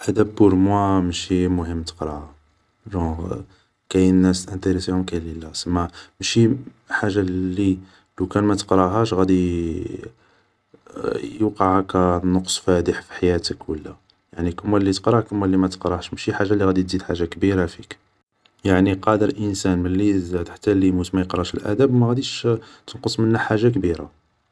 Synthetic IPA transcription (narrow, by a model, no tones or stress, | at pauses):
ʔæd̪æbːʊɾmwæmʃimʊhəmːt̪ə̥qɾˤɑha | ʒɑ̃ | kæjənːæst̪ʔə̃nt̪əɾəsiʊmkæjləlːæsəmːæmʃi | ħaʒːalːi | lukænmæt̪ə̥qɾˤɑɦæʃɣæd̪i | juqɑʕakænoqsˤfæd̪əħfi̥ħajæt̪əkwə̰lːæ | jaʕnikəmːælːit̪ə̥qɾˤɑhkəmːælːimæt̪ə̥qɾˤɑʃmʃiħaʒːalːiɣæd̪it̪zid̪ħaʒːakbiɾafik | jaʕniqɑd̪əɾʔənsænməlːizæd̪ħḁt̪ːælimut̪mæjəqɾˤɑʃəlʔæ̰d̪æbmæɣæd̪iʃt̪ənqəsˤmənːæħaʒːak̬biɾa̰